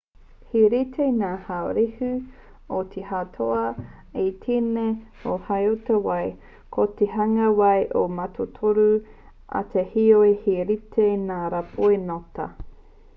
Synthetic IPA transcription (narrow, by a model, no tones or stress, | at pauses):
hiɾitʰeinaːhaoɾihʉ | ot̪ʰihat̪ʰoʔɐ | et̪ʰine | ohajotɐwɐj | kʰot̪eɦɐŋɐwɐjʔomɐtʰotʰoɾu | ʔɐ̰t̪ʰehioehiɾitʰeinaːɾapʰoenotɐ̰